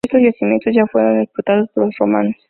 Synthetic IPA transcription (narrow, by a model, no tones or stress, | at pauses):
est̪ozʝasimjent̪ozʝafweɾo̞nd̪isput̪að̞ospoɾlosroma̰nos